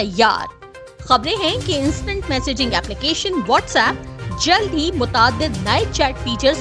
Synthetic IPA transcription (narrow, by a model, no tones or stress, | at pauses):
ɐjːa̰ːɾ | xɐbɾẽɦɛ̃keɪ̃nsʈə̃ɳʈmɛːseːd͡ʒɪ̃ŋɡɛːplɪkeːʃə̃nʋɔːʈsɛːp̚d͡ʒɐld̪ɦimʊt̪aːd̪ːɪd̪nɐet͡ʃɛːʈfiːt͡ʃəɾz